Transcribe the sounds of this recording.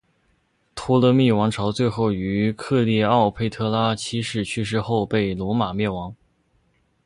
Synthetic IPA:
t̪ʰu˥lɤ˧˥mi˥˩wɑ˧˥ŋʈ͡ʂʰɑ˧˥ʊt͡swe˥˧ɪxo˥˩ʊy˧˥kʰɤ˥˧li˥˧ɑ˥˩ʊpʰe˥˧ɪt̪ʰɤ˥la˥t͡ɕʰi˥ʂɻ̩˥˩t͡ɕʰy˥˧ʂ̬ɻ̩˥˧xo˥˧ʊpe˥˩ɪlwɔ˧˥ma˨˩mjɛ˥˩nwɑ˧˥ŋ

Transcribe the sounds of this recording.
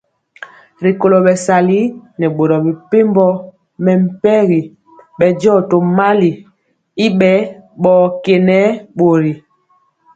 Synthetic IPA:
ɾi˨ko˨lo˨ɓɛ˨sa˨li˦nɛ˨ɓo˨ɾɔ˨bi˨pe˦mbɔ˦ | mɛ˨m̩˨pɛ˦ɣi˨ | ɓɛ˨d͡ʒɔː˦˨to˨ma˦li˨ | i˦ɓɛ˦ɓɔː˦ke˨nɛ˦ɓo˨ɾi˨

